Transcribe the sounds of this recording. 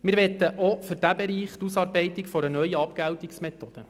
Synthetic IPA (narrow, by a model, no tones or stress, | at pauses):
mɪɾʋɛt̪ːəʔofʏɾd̥æbɛɾiːχt̪usɑːɾbɛɪt̪ɪkfɔɾənœjəɑpkæwt̪iksmɛt̪od̥ə